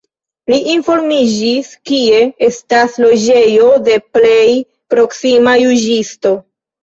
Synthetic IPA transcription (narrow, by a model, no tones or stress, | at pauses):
liʔinfo̞ɾmid͡ʒiskie̞e̞staslo̞d͡ʒe̞jo̞de̞ple̞j | pɾo̞ksimajud͡ʒisto̞